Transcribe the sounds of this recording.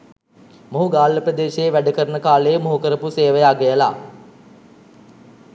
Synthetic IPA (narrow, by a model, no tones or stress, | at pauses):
moɦuɡaːlːəprəd̪eːʃeːʋæɖəkəɾənəkaːlemoɦukəɾəpuseːʋəjaːɡejəla̰ː